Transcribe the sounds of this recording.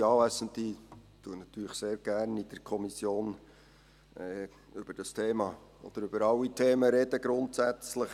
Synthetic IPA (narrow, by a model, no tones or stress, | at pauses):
ɑːvæsənt̪it̪uənɑt̪yːləχseːɾɡ̥æɾnid̥əkʰɔmisjoːn | ɛ | ʏb̥əɾd̥ɑstʰeːmɑː | ɔ̰d̥̪əɾʏb̥əɾɑwːitʰeːməɾɛd̥əɡɾʊntsæt͡sləχ